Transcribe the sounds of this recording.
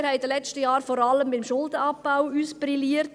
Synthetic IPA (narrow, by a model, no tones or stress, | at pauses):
ɾhɛɪdəlɛt͡stəjɑːɾfɔɾɑləmbɪmʃʊldəɑpb̥aʊuːsb̥riliːəɾt